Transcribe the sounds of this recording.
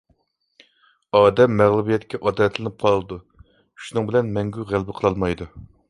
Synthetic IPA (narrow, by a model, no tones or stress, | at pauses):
ɑːd̪ɛmːæʁlˠubijɛt̪kʲɛʔɑd̪ɾɛt̪ʰlɪnɪp̚qʰɑlˠɨd̪u | ʃunɨŋbɪlɛnmɛŋɡʲyʁælbɪqʰəlˠɑlˠmɑjd̪u